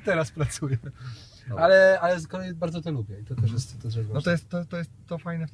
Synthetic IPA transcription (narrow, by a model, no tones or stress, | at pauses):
t̪ɛɾaspɾat̪sujɛ | alɛalɛzkɔlɛjibaɾdzɔt̪ɔlubʲjɛit̪ɔt̪ɛʂjɛst̪ɔt̪ɛɛɾɛnɔtt̪ɔjɛst̪ːɔt̪ːɔjɛst̪ːɔfajnɛft̪